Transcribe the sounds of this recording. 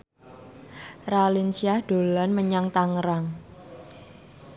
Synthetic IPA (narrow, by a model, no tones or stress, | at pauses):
ralint͡ʃiahɖ̥o̤lanməɲaŋt̪aŋɾaŋ